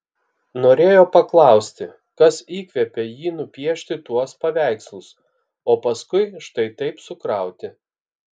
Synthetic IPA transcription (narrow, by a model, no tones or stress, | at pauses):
noːɾʲeːjoːpɐklˠɑˑʊsʲt̪ʲɪ | kɐsiːkʋʲɛpʲejiːnʊpʲiɛʃʲt̪ʲɪt̪uɔspɐʋʲæˑɪkslˠʊs | oːpɐskʊɪʃt̪ɐɪt̪ɐɪpsʊkɾɐˑʊt̪ʲɪ